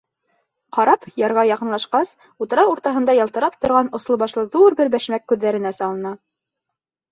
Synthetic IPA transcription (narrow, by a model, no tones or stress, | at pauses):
qɑɾɑpjɑɾʁɑjɑqɤ̆nlˠɑʃqɑs | ut̪ɤ̆ɾɑwuɾt̪ɑɦɤ̆nd̪ɑjɑlˠt̪ɤ̆ɾɑp̚t̪ŏɾʁɑnŏslˠɤ̆βɑʃlˠɤðuɾbɘɾbæʃmækːʉðːæɾɘ̆næsɑlˠɤ̆nɑ